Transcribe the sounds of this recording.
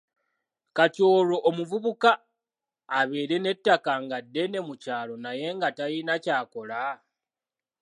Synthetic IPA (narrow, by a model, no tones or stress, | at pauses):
kaco̞ːlo̞ʔːmuvuβukaː | βe̞ːɾe̞ne̞tːakaŋɡadːe̞ne̞mucaːlo̞naje̞ŋɡatajinacaːko̞la